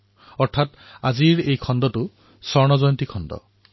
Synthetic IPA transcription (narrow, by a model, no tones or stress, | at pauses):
ɔɹt̪ʰat | aziɹejkʰɔndɔtu | sɔɹnɔzɔjɔnt̪ikʰɔndɔ̰